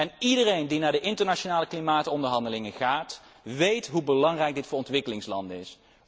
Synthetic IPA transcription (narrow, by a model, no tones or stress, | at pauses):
ɛnidərejndinaːɹdəʔɪntəɹnaʃonaːləklimaːtɔndəɹɦɑndəlɪŋəχaːtʋejtɦubəlɑŋrɛjk̚dɪtfʊːɹɔntʋɪkəlɪŋslɑndəɪs